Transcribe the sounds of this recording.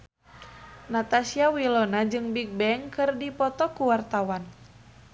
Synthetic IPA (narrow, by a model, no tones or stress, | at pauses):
nat̪asiawilɔnad͡ʒɨŋbik̚bɛŋkɨrdipɔt̪ɔkuwart̪awan